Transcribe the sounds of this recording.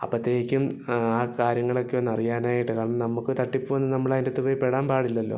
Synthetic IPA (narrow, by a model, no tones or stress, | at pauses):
ɐ̰pːɐd̪eːikʲːumaːkaːɾjɐŋːɐɭo̞kːeonːɐrijaːnaːjiʈːɨkaːɐɳɐmnɐmːukːɨt̪ɐʈːipːuʋɐnːɨnɐmːɐɭaːðindet̪ːupoːjpːeɽaːnpaːɽilːɐlːo̞̰ː